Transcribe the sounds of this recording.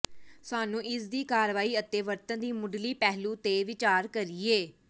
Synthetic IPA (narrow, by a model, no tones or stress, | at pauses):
saːnũːʔɪsd̪iːkaːɾʋaːiːət̪eːʋəɾt̪ənd̪iːmʊɖliːpɛːɦlũːt̪eːʋɪt͡ʃaːɾkəɾieː